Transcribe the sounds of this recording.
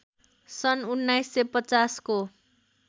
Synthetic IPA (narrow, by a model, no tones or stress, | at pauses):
sʌnunːajsːepʌt͡sasko